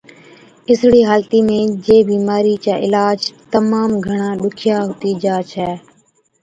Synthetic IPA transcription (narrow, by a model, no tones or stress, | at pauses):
ɪsɽiːɦaːlt̪iːmẽːd͡ʒeːbiːmaːɾiːt͡ʃaːʔɪlaːd͡ʒt̪əmaːmɡʱəɳãːɗʊkʰɪjaːɦʊt̪iːd͡ʒaːt͡ʃʰɛː